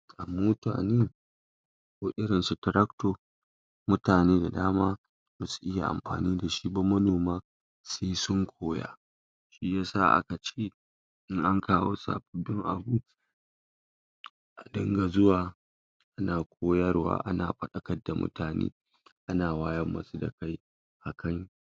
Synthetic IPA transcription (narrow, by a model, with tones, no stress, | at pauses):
ʔa̰˨moː˦ta̰ː˨neː˦˨ | kʷoː˨ʔʲɪ˦ɽɪ˨nsu˨tɪ˨ɾɐ˦ktoː˨ | mʊ˦taː˨neː˦da˨daː˦maː˦ | ma˦su̥˨ʔɪ˦ja̰˨ʔa̰˨mɸa̰ː˨niː˦da˨ʃi˦bɐ˦mɐ˦noː˨maː˦ | seː˦sʊ˦ŋkʷʰoː˦ja̰ː˦ | ʃi˦jaː˦sa̰˦˨ʔa̰˦ka˨t͡ʃeː˦˨ | ɪ˦ŋʔa˦ŋkʰaː˦wo̰ː˦sa̰ː˨ɸɪ˦bɪ˦ŋʔa̰˨bu˦ | ʔa˨dɪ˦ŋɡa˨zʊ˦waː˨ | ʔa˦naː˨kʷʰoː˦jɐ˦rwa̰ː˦ʔa̰˦na̰ː˨ɸɐ˦ɗɐ˨kɐ˦dːa˨mʊ̰˦tʰaː˨nḛː˦ | ʔa˦naː˨waː˦jɐ˦mːɐ̰˨su˦da̰˨ka˦j | ʔa˨kʰɐ˦ɲ˦